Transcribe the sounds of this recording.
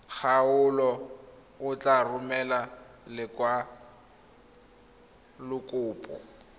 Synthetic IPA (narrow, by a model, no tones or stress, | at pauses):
k͡xʰaʊlɔ | ʊt͡ɬʼarʊmɛlalɪkwa | lʊkʼʊːpʼɔ